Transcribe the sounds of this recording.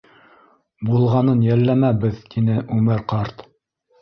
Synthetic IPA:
bulˠʁɑnɤnjælːæmæbɘðt̪inɘʔʉmɘɾqɑɾt̪

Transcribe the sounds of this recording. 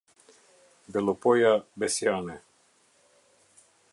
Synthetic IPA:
d̪elopojabesjaːne

